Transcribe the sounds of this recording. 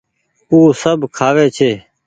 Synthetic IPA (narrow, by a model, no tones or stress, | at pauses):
uːsəbkʰaːʋeːt͡ʃʰeː